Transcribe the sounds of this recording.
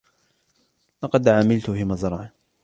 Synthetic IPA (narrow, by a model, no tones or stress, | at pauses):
lɑqɑd̪ʕaːmɪlt̪ʊfiːmɑzˤɾˤɑʕ